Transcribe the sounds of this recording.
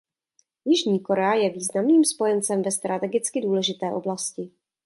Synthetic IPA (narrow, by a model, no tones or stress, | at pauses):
jɪʒɲiːko̞ɾɛajɛviːznamniːmspo̞jɛnt͡sɛmvɛst̪ɾʔat̪ɛɡɪt͡skɪduːlɛʒɪt̪ɛːʔo̞blascɪ